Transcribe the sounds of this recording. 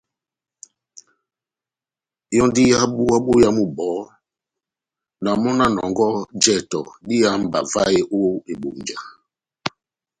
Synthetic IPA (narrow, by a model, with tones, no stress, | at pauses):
jɔ˦ndi˦ja˦ɓu˦a˦ɓo˦ja˦mu˦bɔ˨˦ | na˨mɔ˦na˦nɔ˨ŋɡɔ˦d͡ʒɛ˦˨tɔ̰˨ɗi˦ja˦m̩˨ba̰˨va˦e˦ʔo˦e˨ɓo˨ɲd͡ʒa˨